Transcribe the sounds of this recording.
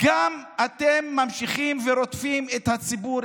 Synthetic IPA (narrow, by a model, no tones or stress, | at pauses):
ɡ̥amat̪emːamʃiχimveɾo̞t̪fimet̪hat͡sibuɾ